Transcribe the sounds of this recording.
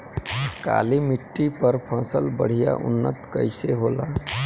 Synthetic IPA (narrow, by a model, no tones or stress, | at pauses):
ka̰limiʈːipəɾpʰə̃səlbəɽ̤ija̰ʔʊ̰nːət̪kə̰ɪseɦola